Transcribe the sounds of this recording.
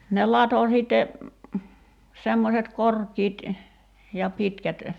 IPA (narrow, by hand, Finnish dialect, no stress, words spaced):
ne lɑto siˑtːe semːoset korkiːt jɑ pitkæt